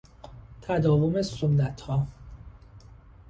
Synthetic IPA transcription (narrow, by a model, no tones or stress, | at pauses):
t̪ʰæd̪ɒːvomesonːæt̪hɒː